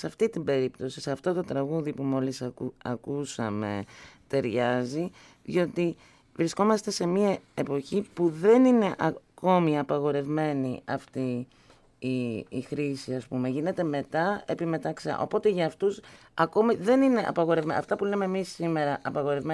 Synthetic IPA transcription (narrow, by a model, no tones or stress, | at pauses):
seɐft̪it̪ibe̞ɾipt̪o̞siseɐft̪o̞t̪o̞t̪ɾɐɣuðipumo̞lisɐ̰kusɐ̰me̞̰t̪e̞ɾʝɐzi | ðio̞t̪i | vɾisko̞mɐst̪e̞se̞miɐe̞po̞çipuðe̞nine̞ʔɐko̞miɐpɐɣo̞ɾe̞vme̞niɐft̪iː | xɾisiɐspume̞ʝine̞t̪e̞me̞t̪ɐe̞pime̞t̪ɐksɐ̰ʔo̞̰po̞t̪e̞ʝɐːft̪us | ɐko̞miðe̞nine̞ʔɐ̰pɐɣo̞ɾe̞vmeɐ̰ft̪ɐpule̞me̞ːmisːime̞ɾɐʔɐpɐɣo̞ɾevme